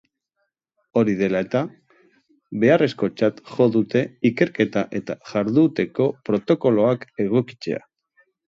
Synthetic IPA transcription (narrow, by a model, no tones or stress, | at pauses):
o̞ɾiðe̞lae̞t̪a | βe̞are̞sko̞t͡ʃat̪ʝo̞ðut̪e̞ike̞ɾke̞t̪aʔe̞t̪aʝaɾðut̪e̞ko̞pɾo̞t̪o̞ko̞lo̞ake̞ɣ̞o̞ki̥t͡se̞̰a̰